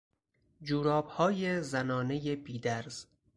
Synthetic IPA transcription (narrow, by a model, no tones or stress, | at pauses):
d͡ʒuːɾɒːb̥hɒːjezænɒːne̞jebiːd̪æɾz̥